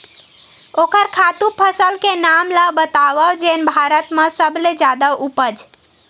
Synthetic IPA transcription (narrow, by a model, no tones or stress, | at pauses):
okəɾkʰat̪upʰəsəlkenamləbət̪aʋəd͡ʒenbʱaɾət̪mə̃səbled͡ʒad̪əʔupəd͡ʒ